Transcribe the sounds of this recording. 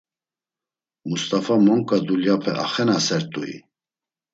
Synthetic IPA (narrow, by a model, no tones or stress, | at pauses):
must̪ʼafamɔŋkʼad̪uljapʰɛ̰ʔa̰χɛnasɛɾt̪ʼuḭ